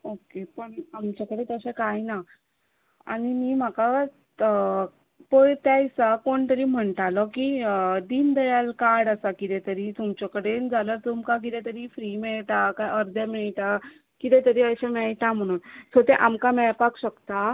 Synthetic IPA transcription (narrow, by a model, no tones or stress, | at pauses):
okepəɳamt͡ɕakəɽet̪əɕẽkajna | a̰ɽ̃imiːm̤aka | pəjt̪ajsakoɳt̪əɾiːm̤əɳʈ̪alɔkid̪iːnd̪əjalkaɾɽasakit̪ɛ̃t̪əɾiːt̪umt͡ɕɔkəɽend͡zaləɾt̪umkak̬it̪ɛ̃t̪əɾiːfɾimɛɭʈakajəɾd̪jamiɭʈa | kit̪ɛ̃t̪əɾiːəɕamɛɭʈ̪am̤əɽ̃uːnsot̪eʔamkamɛɭpakɕəkt̪a